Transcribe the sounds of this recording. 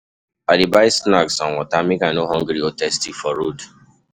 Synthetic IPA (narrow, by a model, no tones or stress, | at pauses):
adibaɪsnaksawɔ̃tamĩkanoɦɔ̃ŋɡɾiotɛstifɔɾod